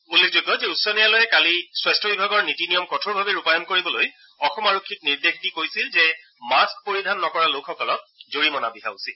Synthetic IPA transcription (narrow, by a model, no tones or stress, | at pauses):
ulːekʰzoɡːɔzɛutsɔnijalojɛkaliswastʰɔbibʱaɡɔɹnitinijɔmkɔtʰoɹbʱabɛɹupajɔnkoɹibɔloj | ɔxɔmaɹokʰːik̚niɹdexʰtikojsilzɛ | maskpoɹidʱanːɔkɔɹalokʰxɔkɔlɔk̚zoɹimɔnabiɦa̰usi